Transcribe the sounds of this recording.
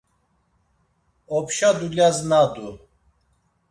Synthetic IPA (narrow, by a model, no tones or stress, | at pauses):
ɔpʰʃad̪uljaznad̪u